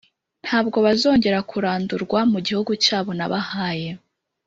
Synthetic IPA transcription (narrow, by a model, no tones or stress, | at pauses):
n̥haːbɡo̞βazo̞ːɲɟe̞ɾakʰuɾaːnduɾɡwamuɟihuɡucaːβo̞naβahaːje̞